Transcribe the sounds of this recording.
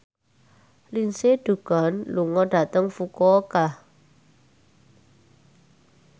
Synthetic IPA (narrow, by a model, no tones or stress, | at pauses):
linseɖ̥ṳɡ̥ɔ̤nluŋɔɖ̥a̤t̪əŋfukɔkah